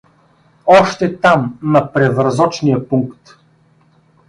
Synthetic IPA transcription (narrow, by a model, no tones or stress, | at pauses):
ɔʃt̪ɛt̪amnɐpɾɛvɾzɔt͡ʃnijəpuŋkt̪